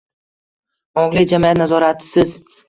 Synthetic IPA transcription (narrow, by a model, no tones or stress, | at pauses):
ɒŋlɪd͡ʒamijat̪nazɒɾat̪ʰɪ̥sɪz